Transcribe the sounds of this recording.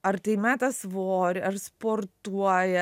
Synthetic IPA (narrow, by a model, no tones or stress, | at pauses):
ɐrt̪ɐɪmʲæːt̪ɐsʋoːɾʲɪɐrspoːrt̪uɔjɛ